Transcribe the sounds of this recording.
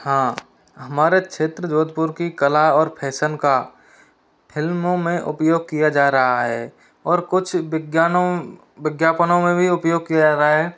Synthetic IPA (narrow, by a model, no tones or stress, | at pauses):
hãː | ɦɐmaːɾekʃeːt̪ɾəd͡ʒoːd̪̚pʊɾkikəlaɔːɾpʰɛːsənka | pʰɪlmõmẽʔʊ̰pjoːɡ̚kijad͡ʒaːɾəɦaɦɛː | ɔːɾkʊt͡ʃʰɡjaːno | ʋɪɡjaːpənõmẽbʱiʊpjoːɡ̚kijad͡ʒaːɾəɦaɦɛː